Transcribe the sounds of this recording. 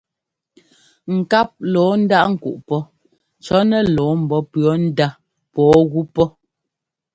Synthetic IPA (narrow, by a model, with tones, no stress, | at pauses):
ŋ̩˨ka˦p̚lɔː˨˦n̩˦da˦ʔŋ̩˨kṵ˨ʔpɔ˦ | t͡ʃɔ˨˦nɛ˦lɔː˨˦m̩˨bɔ˨pɰɔ˨˦n̩˦da˦ | pɔː˨˦ɣu˦pɔ˦